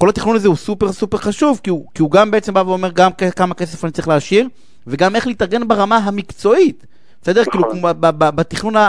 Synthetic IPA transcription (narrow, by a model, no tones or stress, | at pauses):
ko̞lat̪iχnunazeusupe̞ʁsupe̞ʁχaʃuvkiukiuɡambeet͡se̞mbaveome̞ʁɡamkekamake̞sefanit͡saʁiχleaʃiʁ | veɡame̞χlit̪aʁɡe̞nbaʁamaɦamikt͡so̞it̪ | besed̪e̞kiːlukbababat̪iχnuna